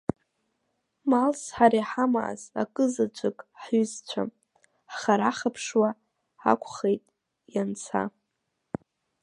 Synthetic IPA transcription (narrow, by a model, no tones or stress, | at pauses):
malsħaɾiħama̰ʔza̰kʼɨzat͡ʃʷʰʼɨkʼħɥʏzt͡ɕʷʰa̰m | χaɾaχapʰʂwa | a̰kʷʰʼχejtʼ | jant͡sʰa̰